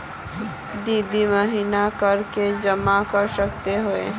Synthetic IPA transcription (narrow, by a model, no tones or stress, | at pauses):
d̪iːd̪iməɦiːnakəɾked͡ʒəmakəɾsək̚t̪eɦoḛ